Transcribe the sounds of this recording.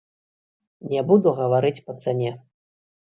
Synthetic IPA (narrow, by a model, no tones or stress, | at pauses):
nʲɛbud̪uɣɐvaɾɨt͡sʲpɐt̪sɛnʲɛ